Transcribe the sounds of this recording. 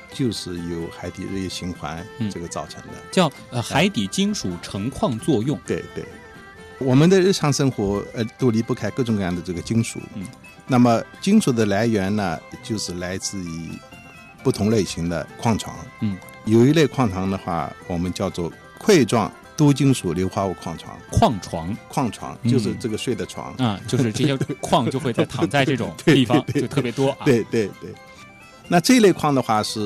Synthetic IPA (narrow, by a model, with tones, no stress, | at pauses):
t͡ɕjo˥˧ʊʂɻ̩˥˩jo˨˩˥ʊxa˧˥ɪt̪i˨˩ɻ̩˥˧jɛ˥˩ɕi˧˥ŋxwa̰˧˥n˩ɤ˥˩ɡə˩t͡sɑ˥˩ʊʈ͡ʂʰɤ˧˥ŋd̪ə̰˧t͡ɕjɑ˥˩ʊ˧˩xa˧˥ɪt̪i˨˩t͡ɕi˥ŋʂu˨˩ʈ͡ʂʰɤ˧˥ŋkʰwɑ˥˧ŋt͡swɔ˥˧jʊ˥˩ŋt̪we˥˧ɪt̪we˥˩ɪ | wɔ˨˩mə˦nd̪ə˧ɻɻ̩˥˩ʈ͡ʂʰɑ˧˥ŋʂə˥ŋxwɔ˧˥t̪o˥ʊli˧˥pu˥˩kʰa˥ɪkɤ˥˩ʈ͡ʂʊ˧˥ŋkɤ˧jɑ˥˩d̪ə˧ʈ͡ʂɤ˥˩ɡə˩t͡ɕi˥ŋʂṵ˨˩˦ | na˥˩mə˩t͡ɕi˥ŋʂu˨˩d̪ə˧la˧˥ɪɥɛ˧˥nnə˨t͡ɕjo˥˧ʊʂɻ̩˥˩la˧˥ɪt͡sɹ̩˥˩i˨˩ | pu˥˩t̪ʰʊ˧˥ŋle˥˩ɪɕi˧˥ŋd̪ə̰˧kʰwɑ˥˩ŋʈ͡ʂʰwɑ̰˧˥ŋ̩˩ | jo˨˩ʊi˧˥le˥˧ɪkʰwɑ˥˩ŋʈ͡ʂʰwɑ˧˥ŋd̪ə˧xwa̰˥˩wɔ˨˩mə˦nt͡ɕjɑ˥˧ʊt͡swɔ˥˩ | kʰwe˥˧ɪʈ͡ʂwɑ̰˥˩ŋ | t̪o˥t͡ɕi˥ŋʂu˨˩ljo˧˥ʊxwa˥u˨˧˩kʰwɑ˥˩ŋʈ͡ʂʰwɑ̰˧˥ŋkʰwɑ˥˩ŋʈ͡ʂʰwɑ˧˥ŋkʰwɑ˥˩ŋʈ͡ʂʰwɑ̰˧˥ŋt͡ɕjo˥˧ʊʂ̬ɻ̩˥˧ʈ͡ʂɤ˥˩ɡə˩ʂwe˥˩ɪd̪ə˩ʈ͡ʂʰwɑ̰˧˥ŋ˧t͡ɕjo˥˧ʂɻ̩˥˧ɤ˥˧ɕɛ˥kʰwɑ˥˧ŋt͡ɕjxwe˥˧t͡sa˥˧ɪt̪ɑ˨˥˩ŋt͡sa˥˧ɪʈ͡ʂɤ˥˩ʈ͡ʂʊ̰˨˩ŋt̪we˥˩i˥˩t̪we˥˧˥t̪ʰɤ˥˩pj̪wɔ˥˧we˥˧ɪt̪we˥˩ɪt̪we˥˩ɪ | na˥˧ʈ͡ʂɤ˥˧i˥le˥˧ɪkʰwɑ˥˩ŋd̪ə˧xwa˥˩ʂɻ̩˥˩